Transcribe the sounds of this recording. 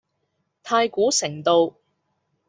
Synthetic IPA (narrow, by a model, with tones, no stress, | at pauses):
t̪ʰaː˧jkuː˨˥sɪ˨˩ŋt̪o˨˧w